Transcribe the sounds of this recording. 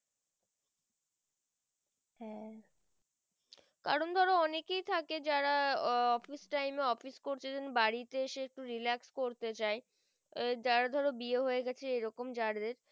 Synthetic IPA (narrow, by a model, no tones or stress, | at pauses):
ɛ | kaɾond̪ʱɔɾoɔnekejt̪ʰaked͡ʑaɾaɔfisʈajmeɔfiskoɾt͡ɕʰid̪enbaɽit̪eeʃeek̚ʈuɾilakskoɾt̪et͡ɕae | d͡ʑaɾad̪ʱɔɾobieɦoeɡɛt͡ɕʰeejɾɔkomd͡ʑaɾd̪eɾ